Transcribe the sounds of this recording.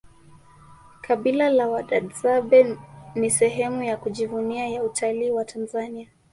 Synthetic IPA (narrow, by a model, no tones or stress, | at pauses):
kʰaɓilalawaɗaɗzaɓɛnisɛɦɛmujakuʄivuniajautʰaliːwatʰanzania